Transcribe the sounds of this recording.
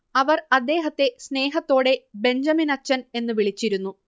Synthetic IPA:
ɐʋɐrɐd̪ːe̞ːɦɐt̪ːe̞sneːɦɐt̪ːo̞ːɽe̞be̞ɲd͡ʑɐminɐt͡ɕːɐne̞nːɨʋiɭit͡ɕːiɾunːu

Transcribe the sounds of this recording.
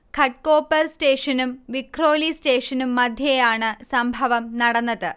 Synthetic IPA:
kʰɐʈ̚ko̞ːpːɐrste̞ːʂɐnumʋikʰro̞ːliste̞ːʂɐnumːɐd̪ʱjɐjaːɳɨsɐmbʱɐʋɐmnɐɽɐnːɐðɨ

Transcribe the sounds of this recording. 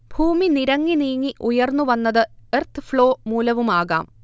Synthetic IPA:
b̥ʱuːminiɾɐŋːiniːŋːiʔujɐrnːuʋɐnːɐðɨert̪ɨfɭo̞ːmuːlɐʋumaːɣa̰ːm

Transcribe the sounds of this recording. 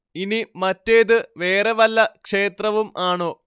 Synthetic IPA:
inimɐtːeːðɨʋe̞ːreʋɐlːɐkʂe̞ːt̪rɐʋumaːɳo̞ː

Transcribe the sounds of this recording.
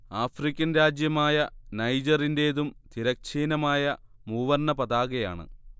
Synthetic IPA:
aːfrikʲːɐnɾaːd͡ʑjɐmaːjɐnɐjd͡ʑɐrinde̞ðumt̪iɾɐk̚t͡ɕiːnɐmaːjɐ | muːʋɐrnːɐpɐðaːɣɐja̰ːɳɨ̰

